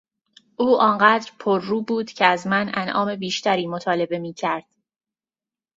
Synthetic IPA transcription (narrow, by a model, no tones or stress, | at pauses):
ʔuːʔɒnɢæːd̪ɾpʰoɾːuːbuːd̪̥cʰeæzmænænʔɒ̰ːme̞biːʃt̪ʰæɾiːmot̪ʰɒːle̞be̞miːcʰæɾd̪̥